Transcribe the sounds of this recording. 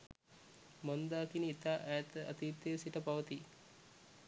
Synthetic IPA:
mond̪aːkinit̪aːʔæjt̪əɐ̰t̪iːt̪ːesiʈəpaʋət̪i

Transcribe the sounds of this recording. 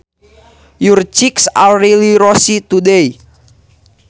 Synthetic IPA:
jurt͡ʃiksa̰lɾiliɾɔsit̪udɛi

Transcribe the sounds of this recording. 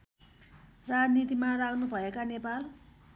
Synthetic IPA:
rad͡znit̪imarakʰnubʱʌekanepal

